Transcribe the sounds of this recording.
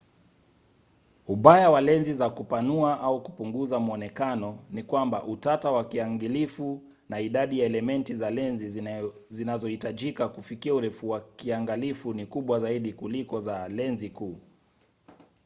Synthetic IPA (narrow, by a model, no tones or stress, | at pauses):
uɓajawalɛnzizakupanuaʔauku̥puŋɡuzamɔnɛkanɔnikwambaʔutatawakiaŋɡilifu | naiɗaɗijaɛlɛmɛntizalɛnzi | zinazɔhitaʄikakufikiauɾɛfuwakiaŋɡalifunikuɓwazaiɗikulikɔzalɛnzikuː